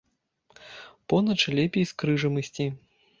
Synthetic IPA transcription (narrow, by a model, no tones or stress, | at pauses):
pɔnɐt͡ʂlʲɛpʲejskɾɨʐɐmɐsʲt͡sʲi